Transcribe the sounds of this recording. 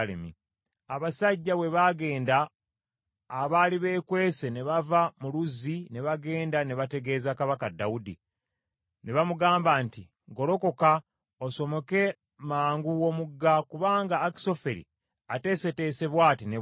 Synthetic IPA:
lḛmḭ | aβasaɟːawe̞βaɡe̞ːnda | βaːliβe̞ːkwe̞ːse̞ne̞βavamuluzːine̞βaɡe̞ːndaneβate̞ɡe̞ːzakaβakadaudḭ | ne̞βamuɡaːmbanti | ŋɡo̞lo̞ko̞ka | oso̞mo̞ke̞ | maːŋɡuwomuɡːakuβaːŋɡaːki̥so̞fe̞ɾḭ | ate̞ːse̞te̞ːse̞βwaːtine

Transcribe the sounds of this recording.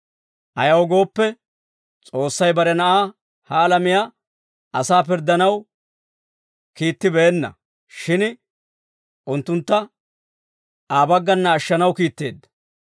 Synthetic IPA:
ʔɐ̰jɐwɔɡo̞ːpːɛ | t͡sʼo̞ːsːɐjbɐɾɛnɐʔaː | hɐːlɐmɪjaː | ɐsaːp̬ɪɾd̪ːɐnɐw | kiːt̪ːɪbeːnːɐ̰ | ʃɪn | ʔʊnt̪ːʊnt̪ːɐ | aːbɐɡːɐnːɐːʃːɐnɐwkiːt̪ːe̞ːd̪ːɐ̥

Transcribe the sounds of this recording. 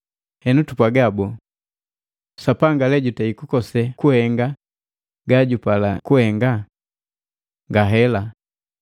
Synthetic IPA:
hɛnutupwaɡabɔ | sapaŋɡalɛɟutaikukɔsɛkuhɛŋɡa | ɡaɟupala̰kuhɛŋɡa | ŋɡaɦɛla

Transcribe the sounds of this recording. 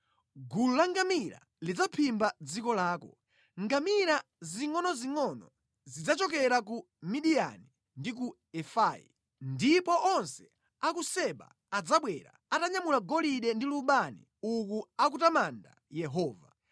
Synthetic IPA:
ɡululaŋɡamiɾa̰ | lid͡zapʰimbad͡zikɔlaːkɔ | ŋɡamiɾa | ziŋɔnɔziŋɔnɔ̰ | zid͡zat͡ʃɔk̬ɛɾak̬u | miɗija̰ni | ndik̬u | ɛfaːjḭ | ndipɔʔɔnsɛ̥ | akusɛɓa̰ːd͡zaɓwɛɾa̰ | ataɲamulaɡɔliɗɛndiluɓanḭ | ukuakutamanda̰jɛɦɔːva

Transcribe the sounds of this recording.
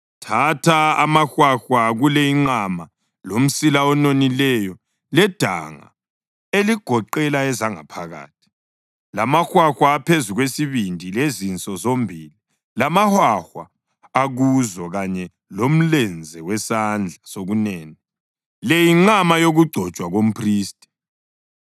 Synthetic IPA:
tʰatʰaamaxwaxwaɣulɛiŋ͡ǃama | lom̩silaɔnonilɛjɔ | lɛd̥ʱa̰ŋa̰ | eliɡ̥ʱɔǃɛlaɛzaŋa̰pʰaɣa̰ːtʰi̥ | lamaxwaxwaːpʰezuɣwesiβindʱilezint͡sʼɔzombʱiːli | lamahwaxwa̰ː | ɣuzɔɣaɲɛ | lom̩lɛnd͡zʱɛwɛsand͡ɮʱasoɣunɛːnɛ | lɛjiŋ͡ǃamajoɣuɡ͡ǀʱɔ̥t͡ʃʼwaɣom̩pʰriːstʼi̥

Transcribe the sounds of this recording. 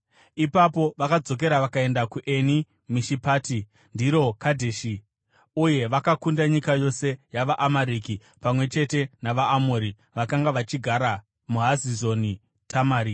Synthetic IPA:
ipapo̞ʋakad͡zo̞k̬e̞ɾaʋakae̞ndakuʔe̞ni | miʃipaːti | ndiɾo̞kadʱeːʃi | uje̞ʋakakundaɲikajo̞se̞jaʋaʔamaɾiːki | pamwe̞t͡ʃe̞te̞naʋaːmoːɾi | ʋakaŋɡaʋat͡ʃiɡʱaɾa | muɦazizo̞ni | tʰamaːɾi

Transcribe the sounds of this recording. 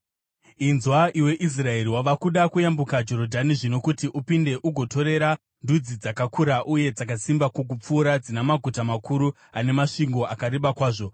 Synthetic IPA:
inzwaʔiwe̞ʔis̬rae̞ɾiwaʋakuɗakujambukad͡ʒo̞ɾo̞dʱaniʐino̞kutiʔupinde̞ʔuɡʱo̞to̞ɾe̞ɾa | ndud͡zid͡zakakʰuɾaʔuje̞d͡zakasimbakok̬up͡fuːɾad͡zinamaɡʱutamakuɾu | ane̞maʂiŋɡo̞akaɾeɓakwaːʐo̞

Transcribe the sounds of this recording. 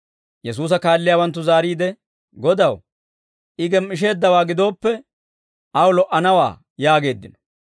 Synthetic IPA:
jɛs̬uːs̬ɐkaːlːɪjaːwɐnt̪ːʊzaːɾiːd̪ɛ | ɡɔd̪ɐw | ʔɪɡɛmʔɪʃ̬e̞ːd̪ːɐwaːɡɪd̪o̞ːpːɛ | ʔɐwlɔʔːɐnɐwa̰ː | jaːɡe̞ːd̪ːɪnɔ̥

